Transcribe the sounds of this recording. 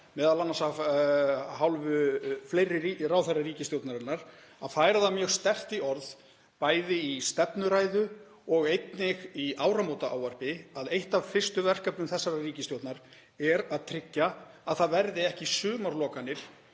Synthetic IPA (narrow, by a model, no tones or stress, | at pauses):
mɛːðalanːasa | ɦawlvʏfleːjrɪirawθaɾariːcɪst̪jowt̪naɾɪnːaɾ̥ | aðfaːjɾaðamjœɣst̪ɛr̥t̪iɔɾð | paːjðɪist̪ɛpnʏɾaːjðʏ | ɔɣejt̪nɪɣiaːwɾamowt̪aaːwar̥pɪaðejht̪av̥fɪr̥st̪ʏvɛr̥kapnʏmθɛsːaɾariːcɪst̪jowt̪naɾ | ɛɾaðt̪ʰɾɪcːa | aðθaðvɛɾðɪɛhcɪsʏːmaɾlɔːkanːɪɾ̥